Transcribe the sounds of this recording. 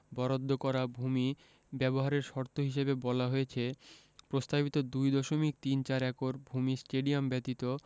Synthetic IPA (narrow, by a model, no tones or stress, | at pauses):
bɔɾod̪ʱːokɔɾabʱumi | bɛboɦaɾeɾʃɔɾt̪ʰoɦiʃebebɔlaɦojet͡ɕʰe | pɾost̪abit̪od̪ujd̪ɔʃomik̚t̪int͡ɕaɾɛkoɾbʱumisʈeɖiombɛt̪it̪o